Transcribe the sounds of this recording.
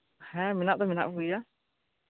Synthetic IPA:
hɛminaːt̪amna̰ia

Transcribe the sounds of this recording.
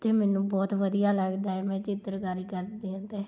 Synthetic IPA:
t̪eːmɛːnũːbɔːt̪ʋəd̪ijaːləɡd̪aːɦɛːmɛ̃ːt͡ʃɪt̪ːəɾkaːɾiːkəɾd̪iãnt̪eː

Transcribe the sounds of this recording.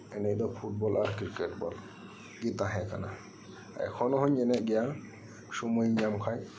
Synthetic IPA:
ɛnɛʔd̪ɔpʰuʈ̚bɔlʔaɾkiɾkɛʈbɔl | ɡit̪aɦɛkana̰ | a̰jkʰɔnɔɦɔɲɛnɛʔɡija | sumujɲamkʰaj

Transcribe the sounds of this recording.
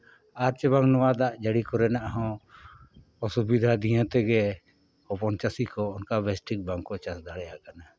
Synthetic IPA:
aɾt͡ʃəβaŋnɔwad̪aʔd͡ʒəɽikɔɾɛnaʔaɦɔ̃ | ɔsubid̪ʱad̪ĩãt̪ɛɡɛ | ɔpɔnt͡ʃasikɔɔnkabɛsʈik̚baŋkɔt͡ʃasd̪aɽɛjakana

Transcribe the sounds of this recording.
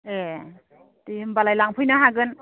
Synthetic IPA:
e | dihɯmbalajlaŋpʰɯjnaɦaɡɯn

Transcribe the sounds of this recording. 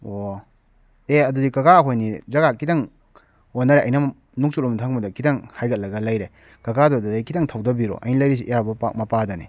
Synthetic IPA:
o | eɐdudikɐɡaɦojnizɐɡakʰidɐŋ | onːɐɾeʔɐjnɐ | nuk̚sutlomtʰaŋmbɐdɐkʰidɐŋhajɡɐt̚lɐɡɐlɐjɾe | kɐɡadɔdɐdajkʰidaŋtʰawdɐbiɾo̰ʔɐ̰jnilɐjɾis̬iʔijaɾbɐpa̰k̚mɐpadɐnḭ

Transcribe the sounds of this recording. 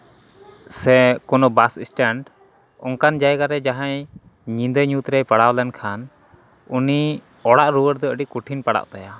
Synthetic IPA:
sɛkɔnɔbasisʈɛɳɖ | ɔŋkand͡ʒajɡaɾɛd͡ʒaɦaj | ɲĩnd̪əɲut̪ɾɛjpaɽawlɛnkʰan | uni | ɔɽaʔɾuwəɾd̪ɔəɖiʔkuʈʰinpaɽa̰ʔt̪aja

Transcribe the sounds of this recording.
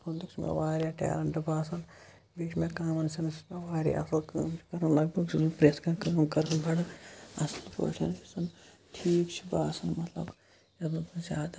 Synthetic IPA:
pond̪ikt͡ʃmḛʋaːɾʲjaːʈḛːlɐɳɖɨbaːsɐn | biːt͡ʃʰmẽkaːmɐnsɐnseʋaːɾʲja̰ɐ̰slkɐːmt͡ʃʰkɐɾɐnlɐɡbʱɐɡupɾeːskãːkɐːmkɐɾɐnbʱɐɽɐ̰slpo̰ʈʰɐnisɐn | ʈʰiːkt͡ʃʰibaːsɐnmɐt̪lɐ̰b | ɐbnɨt̪ɨnzʲaːd̪a

